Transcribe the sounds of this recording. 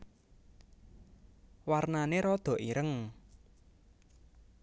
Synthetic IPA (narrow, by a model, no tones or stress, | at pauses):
warnaneɾɔd̪̥ɔ̤ʔiɾəŋ